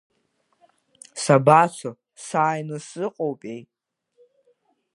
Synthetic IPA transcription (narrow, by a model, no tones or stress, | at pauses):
sabat͡sʷʰo | saːjnɨsɨqʼowpʼejtʼ